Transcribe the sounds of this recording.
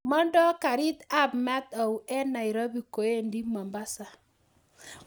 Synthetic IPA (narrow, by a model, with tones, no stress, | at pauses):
mɔ˦ndɔ˦ka˨ɾi˦t̪a˦bma˦t̪a˨u˨ɛ˦na˨i˨ɾo˦bi˨ko˨e˦ndi˦ma˨mba˦sa˨